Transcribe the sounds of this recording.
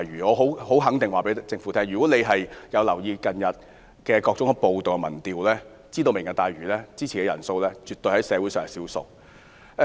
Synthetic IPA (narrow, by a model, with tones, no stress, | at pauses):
jɥyː˨˩ɔː˨˧ɦo˨˥who˨˥wɦɐ˨˥ŋt̪ɪ˨ŋwaː˨pe˨˥t͡sɪ˧ŋfuː˨˥t̪ʰɛː˥ŋɥyː˨˩kɔ˨˥ne˨˧jɦɐ˨jjɐ˨˧wlɐ˨˩wjiː˧kɐ˨njɐ˨t̚ | kɛː˧kɔː˧k̚t͡sʊ˨˥ŋhɐ˧po˨˧wt̪o˨wɐ˧mɐ̰˨˩nt̪iː˨wlɛː˥ | t͡siː˥t̪o˧wmɪ˨˩ŋːka˨˧t̪aː˨˧jɥyː˨˩lɛː˥t͡siː˥t͡sʰiː˨˩kɛː˧jɐ̰˨˩nso˧wlɛː˥t͡ʃy˨t̪ɵ˧jhɐ˨˥jsɛː˨˧wu˨˥sœː˨ŋ˧˩siː˨˥wsʊ̰˨k̚